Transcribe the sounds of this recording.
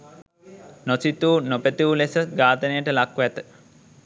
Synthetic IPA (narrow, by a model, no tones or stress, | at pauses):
nosit̪uːnopət̪iʋulesəɡaːt̪ənəjəʈəlakːʋæt̪ə̥